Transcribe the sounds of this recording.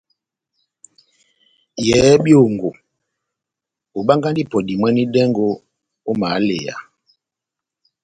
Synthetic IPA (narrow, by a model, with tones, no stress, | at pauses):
jɛː˨˦bjo˦˨ŋɡo˨ | o˨ba˦ŋɡa˦ndi˦˨pɔ˨di˨mwɛ˦ni˦dɛ˦ŋɡo˦ | o˦ma˨˦lḛ˨ja̰˨